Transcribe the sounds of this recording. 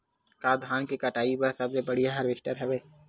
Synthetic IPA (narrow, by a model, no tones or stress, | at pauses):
kaːd̪ʱaːnkikɐʈaːipɐɾsɐbsebɐɽijaɦɐɾʋɪʃʈəɾɦɛʋeː